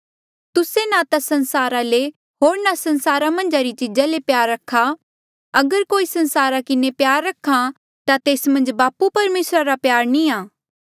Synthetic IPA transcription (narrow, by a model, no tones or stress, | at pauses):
t̪ʊsenat̪asɐ̃nsaːɾale | ɦoːɾnasɐ̃nsaːɾamɐ̃nd͡ʒaɾit͡ʃid͡ʒalepjaːɾːɐkʰːa | ɐɡəɾkoːisɐ̃nsaːɾakɪnepjaːɾːɐkʰːã | t̪at̪eːsmɐ̃nd͡ʒbaːpupɐɾmeːsɾaɾapjaːɾnĩaː